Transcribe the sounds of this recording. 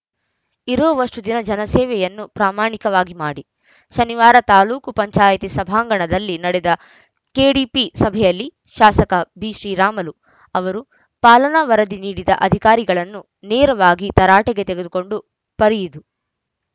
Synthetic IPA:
iɾoːʋɐʂʈud̪inɐd͡ʒɐnɐsɛːʋɛjɐnːupɾaːmaːɳikɐʋaːɡimaːɽi | ʃɐniʋaːɾɐt̪aːluːkupɐɲt͡ʃaːjɐt̪isɐbʱaːŋɡɐɳɐd̪ɐlːinɐɽɛd̪ɐ | keːɽipisɐbʱɛjɐlːi | ʃaːsɐkɐbiːʃɾiːɾaːmɐlu | ɐʋɐɾu | paːlɐnaʋɐɾɐd̪iniːɽid̪ɐʔɐd̪ʱikaːɾiɡɐɭɐnːu | neːɾɐʋaːɡit̪ɐɾaːʈɛɡet̪eɡe̞d̪uko̞ɳɖu | pɐɾijid̪u

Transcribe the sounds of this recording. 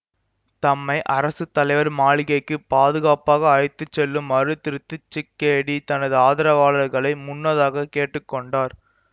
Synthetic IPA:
t̪ɐmːɐɪʔɐɾɐsɯt̪ːɐlɐɪʋɐɾmaːɭɪɣɐɪkːɯpaːðɯɣaːpaːɣɐːɻɪt̪ːɯt͡ʃːɛlːɯmɐɾɯt̪ːɪɾɯt̪ːɯt͡ʃːɪkːɐɽit̪ɐnɐðɯaːðɐɾɐʋaːɭɐɾɣɐɭɐɪmʊnːɐðaːɣɐkeːʈːɯkːɔɳɖaːɾ

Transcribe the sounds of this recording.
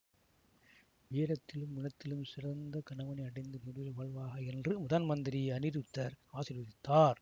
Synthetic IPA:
ʋijɐɾɐt̪ːɪlɯmːʊnɐt̪ːɪlɯmsɪrɐnd̪ɐkɐnɐʋɐnɐɪɐɽɐɪnd̪ɯnʊɾɪjɐʋɐɭʋaːɣɐɛndrɯmʊðaːnmɐnd̪ɪɾɪjɐnɪɾɯt̪ːɐɾaːsɪɾɐðɪt̪ːaːɾ

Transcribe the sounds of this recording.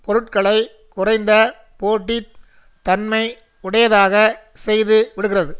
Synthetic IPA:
pɔɾɯʈkɐɭɐɪ | kʊrɐɪnd̪ɐ | poːʈːi | t̪ːɐnmɐɪ | ʊɽɐjɐðaːɣɐ | sɛjðɯʋɪɽɯɣɪrɐðɯ

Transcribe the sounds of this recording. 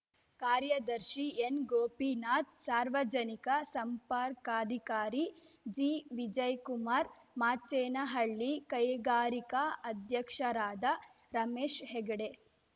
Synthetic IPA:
kaːɾjɐd̪ɐɾʃienɡoːpinaːt̪̚saːɾʋɐd͡ʒɐnikɐsɐmpaːɾkaːd̪ʱikaːɾi | d͡ʒiːʋid͡ʒɐjkumaːɾ | maːt͡ʃeːnɐɦɐɭːikɐjɡaːɾikɐɐd̪ʱjɐkʂɐɾaːd̪ɐ | ɾɐmeːʃɦeɡɐɽe

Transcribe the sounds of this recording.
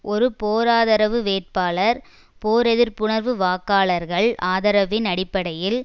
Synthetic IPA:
ʔɔɾɯpoːɾaːðɐɾɐʋɯʋeːʈ̚paːɭɐɾ | poːɾɛðɪɾpʊɳɐɾʋɯʋaːkaːɭɐɾɣɐɭʔaːðɐɾɐʋɪnɐɽɪpːɐɽɐjɪl

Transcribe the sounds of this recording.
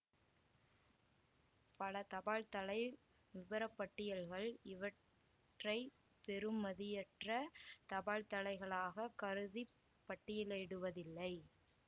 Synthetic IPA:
pɐɭɐt̪ɐbaːɻt̪ɐɭɐɪ | ʋɪbɐɾɐpːɐʈːɪjɐɭɣɐɭɪʋɐ | ʈrɐɪ | pɛɾɯmːɐðɪjɛʈrɐt̪ɐbaːlt̪ɐɭɐɪɣɐɭaːɣɐkɐɾɯði | pːɐʈːɪjɪleːɽɯʋɐðɪlːɐɪ

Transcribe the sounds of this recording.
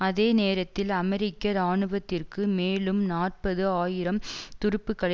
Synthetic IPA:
ɐðeːneːɾɐt̪ːɪlɐmɛɾɪkːɐɾaːɳɯʋɐt̪ːɪrkɯmeːlɯmnaːr̚pɐðɯaːjɪɾɐmt̪ʊɾɪpːɯkːɐɭɐ

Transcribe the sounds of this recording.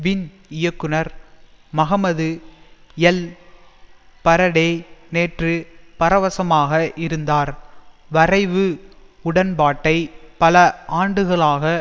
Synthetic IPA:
ʋɪn | ɪjɐkːɯnɐɾ | mɐɣɐmɐðɯ | jɛl | pɐɾɐɽeːneːʈrɯpɐɾɐʋɐsɐmaːɣɐʔɪɾɯnd̪aːɾʋɐrɐɪʋɯʊɽɐnbaːʈːɐɪpɐlɐʔaːɳɖɯɣɐɭaːɣɐ

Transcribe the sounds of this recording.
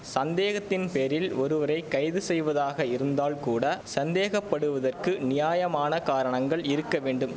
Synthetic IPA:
sɐnd̪eːɣɐt̪ːɪnpeːɾɪlɔɾɯʋɐɾɐɪkɐɪðɯsɛjʋɐðaːɣɐɪɾɯnd̪aːlkuːɽɐsɐnd̪eːɣɐpːɐɽɯʋɐðɐrkɯnɪjaːjɐmaːnɐkaːɾɐɳɐŋɡɐɭɪɾɯkːɐʋeːɳɖɯm

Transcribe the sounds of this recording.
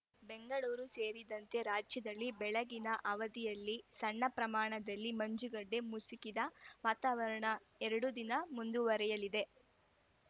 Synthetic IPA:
beŋɡɐɭuːɾuse̞ːɾid̪ɐnt̪e̞ɾaːd͡ʒjɐd̪ɐlːibɛɭɐɡinɐʔɐʋɐd̪ijɐlːisɐɳːɐpɾɐmaːɳɐd̪ɐlːimɐɲd͡ʒuɡɐɖːe̞musikid̪ɐʋaːt̪aːʋɐɾɐɳɐ | ɛɾɐɽud̪inɐmund̪uʋɐɾɛjɐlid̪e̞

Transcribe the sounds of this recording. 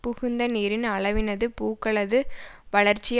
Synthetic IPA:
pʊɣɯnd̪ɐniːɾɪnɐɭɐʋɪnɐðɯpuːkːɐɭɐðɯʋɐɭɐɾt͡ʃːɪj

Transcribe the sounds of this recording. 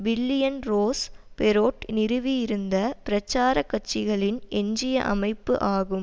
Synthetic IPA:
ʋɪlːɪjɐnɾoːspɛɾoːʈnɪɾɯʋijɪɾɯnd̪ɐpɪɾɐt͡ʃːaːɾɐkːɐʈt͡ʃːɪɣɐɭɪnʔɛɲd͡ʒɪjɐʔɐ̰mɐɪpːɯʔaːɣɯm

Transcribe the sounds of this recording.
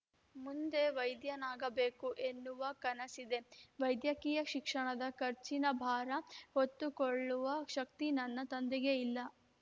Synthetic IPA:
mund̪e̞ʋɐjd̪jɐnaːɡɐbe̞ːkuʔe̞nːuʋɐkɐnɐsid̪e̞ʋɐjd̪jɐkiːjɐʃikʂɐɳɐd̪ɐkɐɾt͡ʃinɐbʱaːɾɐhot̪ːukoɭːuʋɐʃɐkt̪inɐnːɐt̪ɐnd̪ɛɡe̞ilːɐ

